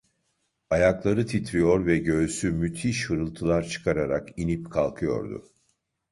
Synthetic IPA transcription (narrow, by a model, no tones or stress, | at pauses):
ajaklˠaɾɯt̪ʰit̪ʰɾijo̞ɾvɛɟø̞ːsymyt̪ʰiʃhɯɾɯlˠt̪ʰɯlˠaɾt͡ʃʰɯ̥kʰaɾaɾakinipkʰalˠkʰɯjo̞̰ɾd̪ʊ̰